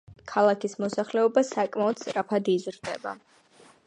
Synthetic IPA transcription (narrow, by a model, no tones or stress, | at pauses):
kʰalˠakʰismɔsaχlɛɔbasakʼmaɔd̪̥st̪ʼɾapʰad̪izɾd̪ɛba̰